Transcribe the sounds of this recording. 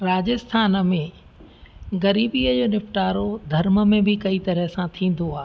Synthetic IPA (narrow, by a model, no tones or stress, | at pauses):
ɾaːd͡ʑɪst̪ʰaːnə̆mẽ | ɣɐɾiːbiːəd͡ʑoːnɪfʈaːɾod̪ʱɐɾmə̆mẽbʱɪkɐit̪ɐɾəɦsãt̪ʰĩːn̆d̪oaː